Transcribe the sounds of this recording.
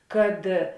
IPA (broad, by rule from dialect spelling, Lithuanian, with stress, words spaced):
kɐt